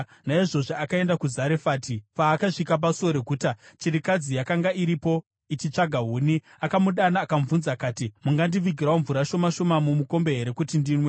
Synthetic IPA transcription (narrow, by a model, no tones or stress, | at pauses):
naiʐo̞ʐeakae̞ndakuzaɾefaːtipaːkaʐikap̬asuoɾekuːtat͡ʃiɾikad͡zijakaŋɡaʔiɾipo̞ | it͡ʃit͡ʂaɡʱaɦuːni | akamuɗanaːkamvunzakaːtimuŋɡandiʋiɡʱiɾaoɱvuɾaʃo̞maʃo̞mamumuko̞mbe̞ɦe̞ɾe̞kutindinwe